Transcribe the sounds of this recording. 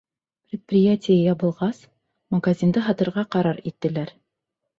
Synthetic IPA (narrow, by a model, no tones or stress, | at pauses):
pɾʲɪt̪̚prʲɪjatʲɪjajɑβɤ̆lˠʁɑs | mɐɡazʲind̪ɤɦɑt̪ɤ̆ɾʁɑqɑɾɑɾit̪ːɘ̆læɾ